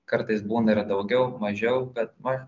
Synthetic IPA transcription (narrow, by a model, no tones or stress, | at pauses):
kɐɾt̪ɐɪsbuːnɐɪɾd̪ɐʊɡʲɛʊmɐʒʲɛʊbʲɛt̪̚mɐ